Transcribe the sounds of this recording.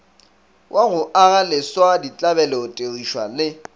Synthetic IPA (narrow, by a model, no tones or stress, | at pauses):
wʔaɣʊʔaɣalɪswadit͡ɬʼabɛlɛʊtʼeɣiʃwa̰lɪ